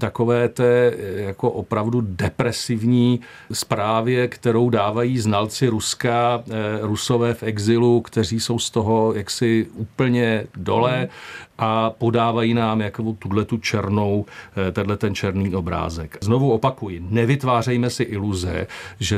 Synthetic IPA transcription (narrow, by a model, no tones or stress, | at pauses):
t̪ako̞vɛːt̪ɛːjako̞ʔopɾavdudɛpɾɛsɪvɲiː | spɾaːvjɛkt̪ɛɾo̞wdaːvajiːznalt͡sɪɾuskaɾuso̞vɛːfʔɛɡzɪlukt̪ɛr̝iːso̞wst̪oɦo̞jaksɪʔuːpl̩ɲɛdo̞lɛʔapo̞daːvajiːnaːmjakoot̪udlɛt̪ut͡ʃɛɾno̞wt̪ɛdlɛt̪ɛnt͡ʃɛɾniːʔo̞bɾa̰ːzɛkznovuo̞pakujɪnɛvɪt̪vaːrɛjmɛsɪʔɪluzɛ̰ʒɛ